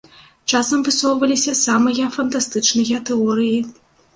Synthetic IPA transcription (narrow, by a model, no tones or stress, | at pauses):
t͡ʂasɐmvɨsɔwvɐlʲisʲɐsamɐjɐfɐnt̪ast̪ɨt͡ʂnɨjɐt̪ɛɔɾɨji